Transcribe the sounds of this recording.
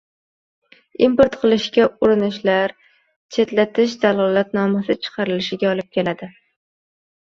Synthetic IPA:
impoɾt̪qʰɨlˠɪʃkʲaʊɾɪnɪʃlaɾ | t͡ʃʰe̞t̪lat̪ʰɪʃ̬d̪alˠɒlat̪nɒmasɪt͡ʃʰɨ̥qʰɑɾɪlɪʃɪɡʲaɒlˠɪp̚kʲe̞lad̪ɪ

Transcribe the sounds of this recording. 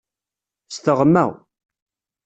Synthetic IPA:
st̪əʁmːæ̰w

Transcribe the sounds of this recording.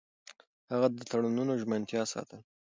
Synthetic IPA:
haɣad̪ət̪ʰaɽununoʒmant̪jɑsɑ̰t̪ʰəl

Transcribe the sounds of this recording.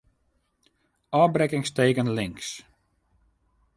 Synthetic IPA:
ɔːbrɛkɪŋsteːkənlɪŋks

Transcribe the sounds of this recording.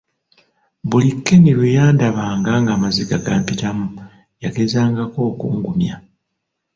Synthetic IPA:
bulikːenilujaːndaβaːŋɡaŋɡaːmaziɡaɡaːmpitamu | jake̞zaːŋɡako̞ːkṵːŋɡumja

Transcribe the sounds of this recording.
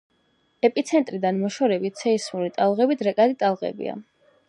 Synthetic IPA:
ɛpʼit̪sʰɛnt̪ʼɾid̪anmɔʃɔɾɛbit̪̚ʰsʰɛismuɾit̪ʼalˠʁɛbid̪ʰɾɛkʼad̪it̪ʼalˠʁɛ̰bḭa̰

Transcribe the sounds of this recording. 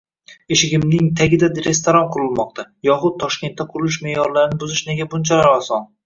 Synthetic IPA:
eʃɪɡʲɪmnɪŋt̪ʰaɡʲɪd̪ad̪ɾe̞st̪oɾɒnqʰʊɾɪlˠmɒq̚t̪ʰajɒχʊd̪̚t̪ʰːɒʃkʲe̞nt̪ːaqʰʊɾɪlˠɪʃme̞jɒɾlaɾɪnɪbʊzɪʃne̞ɡʲabʊnt͡ʃʰalaɾɒsɒn

